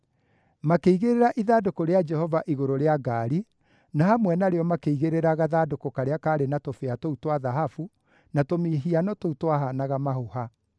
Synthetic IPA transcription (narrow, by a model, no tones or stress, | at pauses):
makeiɣeɾeɾaʔiðadokoɾead͡ʒɛhɔvaʔiɣoɾoɾeaɡaːɾi | nahamwɛnaɾeɔmakeiɣeɾeɾaɣaðadokokaɾeakaːɾenatofeatoutwaðaɦafu | natomiɦianɔtoutwaɦanaɣamahoha